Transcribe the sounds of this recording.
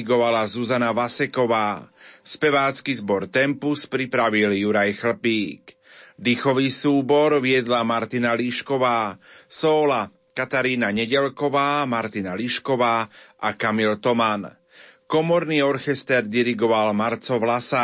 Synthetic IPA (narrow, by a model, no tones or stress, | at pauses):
iɡɔʋalazuzanaʋasɛkɔʋaːspɛʋaːt͡skizbɔɾt̪ɛmpuspɾipɾaʋiljuɾajxl̩piːk | d̪ixɔʋisuːbɔɾʋɪɛd̪lamaɾt̪inaliʃkɔʋaːsɔːla | kat̪aɾiːnaɲɛɟɛlkɔʋaːmaɾt̪inaliʃkɔʋaːʔakamilt̪ɔman | kɔmɔɾniːɔɾxɛst̪ɛɾd̪iɾiɡɔʋalmaɾt͡sɔʋlasa